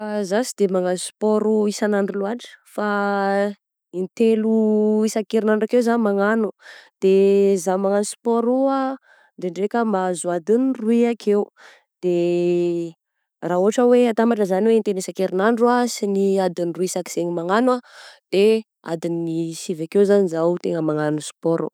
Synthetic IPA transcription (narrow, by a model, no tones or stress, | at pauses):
azasid̪emaŋansu̥pɔɾuisanaɳɖ͡ʐuluaʈ͡ʂə̥fa | int̪eluisakeɾinaɳɖ͡ʐakewzanmaŋanud̪̥ezamaŋanusi̥pɔɾua | ɳɖ͡ʐeɳɖ͡ʐekəmazuad̪inruiakʰeu | d̪̥e | raɦuɦaʈ͡ʂəweat̪ambaʈ͡ʂəzaniweint̪enisakeɾinaɳɖ͡ʐuasiniad̪iniruisaki̥z̥eŋimaŋanwad̪̥e | a̰d̪inːisivakewzanizaut̪eŋəmaŋanuspɔɾṵ